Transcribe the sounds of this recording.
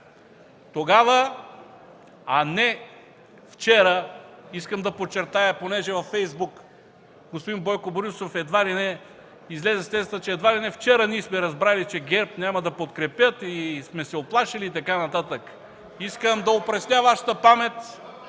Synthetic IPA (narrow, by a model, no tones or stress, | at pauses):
t̪oɡavə | anɛ | ft͡ʃɛɾəiskəmd̪ɐpot͡ʃːɛɾt̪ajɐponɛʒɛvɐfːɛjzbuk | ɡospod̪inbojkoboɾʲusofɛd̪vaɾinɛ | izlɛzɛst̪ɛsət͡ʃɛːd̪vaɾinɛft͡ʃɛɾəniɛsmɛɾɐzbɾalit͡ʃɛɡʲɛɾpnʲamɐd̪ɐpot̪kɾɛpʲjət̪ismɛsɛoplˠaʃiliːt̪ɐkanɐt̪at̪ək | iskəmd̪ɐopɾɐsnʲavaʃɐ̥t̪əpamɛt̪